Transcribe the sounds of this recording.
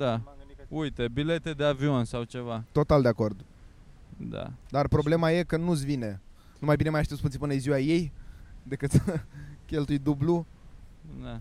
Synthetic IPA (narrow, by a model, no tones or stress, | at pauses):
d̪aujt̪e̞bile̞t̪e̞d̪eavio̞nsawt͡ʃe̞vat̪o̞t̪ald̪e̞ako̞rd̪ | d̪a̰d̪arpɾo̞ble̞maje̞kənusvine | numajbinemajaʃt̪espunʲipɨnəziwaje̞jd̪e̞kɨt̪kʲe̞lt̪ujd̪ublu | d̪a